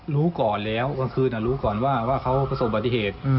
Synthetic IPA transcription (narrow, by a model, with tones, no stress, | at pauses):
ɾuː˦˥kɔː˨˩nlɛː˦˥wka˧kʰɯː˧na˨˩ɾuː˦˥kɔː˨˩nwaː˥˩waː˥˩kʰa˦˥wpʰa˧so˨˩p̚ba˨˩t̪ːi˧˩heː˨˩t̪̚